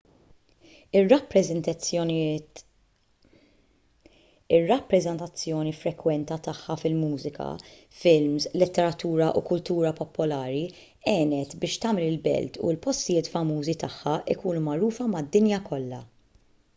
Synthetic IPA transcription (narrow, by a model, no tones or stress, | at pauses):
ɪrɐpːɾɛ | ɪrːɐpːɾɛzɛnt̪ɐt͡sːjɔːnifɾɛkwɛnt̪ɐt̪ɐħːɐfɪlmuːzɪkʰɐ̰ | fɪlmslɪt̪ːɛɾɐt̪uːɾɐʔṵkʊlt̪uːɾɐpɔpːɔlɐːɾi | ɛːnɛt̪bɪːʃt̪ɐːmɛlɪlbɛ̰lt̪ʰṵlpɔst̪ɪjɪːt̪fɐmuːzit̪ɐħːɐʔɪkuːnumɐɾuːfɐmɐd̪ːɪnjɐkʰɔlːɐ̰